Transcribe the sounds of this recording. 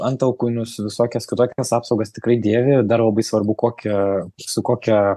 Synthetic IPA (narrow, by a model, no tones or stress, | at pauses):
ɐnt̪ɐʊkuːnʲʊsʋʲɪsoːkʲɛskʲɪt̪oːkʲɛsɑːpsɐʊɡɐst̪ʲɪkɾɐɪd̪ʲeːʋʲɪd̪ɐrlˠɐbɐɪsʋɐrbʊkoːkʲɛsʊkoːkʲɛ